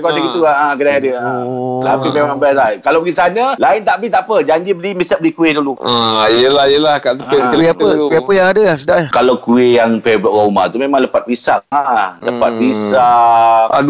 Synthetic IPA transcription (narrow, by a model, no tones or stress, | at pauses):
kɔdəɡit̪uaakədajadəaət̪apimemãŋbasakalabəɡisanəlaɪnt̪aʔbit̪aʔpəd͡ʒaɲd͡ʒibəlimisaʔ̚bəlikuɪduluajəlahjəlahkaʔt̪əesəiapəiapəjaŋadasədaʔkalawkuɪjaŋfebɾuʔɾama̰t̪umemãŋləpat̪̚bisaaləpat̪̚bisaa̰